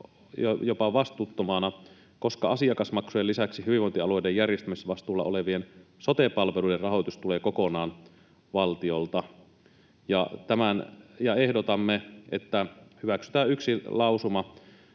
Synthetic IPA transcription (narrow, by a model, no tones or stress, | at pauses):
jjopɑʋɑst̪uːt̪ːomɑːnɑ | koskɑɑsiɑkɑsmɑksujelːisæksihyʋiʋont̪iɑlojdejjærjest̪ymisʋɑst̪uːlːɑ̰oleʋiensot̪epɑlʋeluiderrɑɦojt̪ust̪uleːkokonɑːn | ʋɑlt̪iolt̪ɑ | jɑt̪æmænjɑehdot̪ɑmːeet̪ːæhyʋæksy̥t̪æːyksilɑusumɑ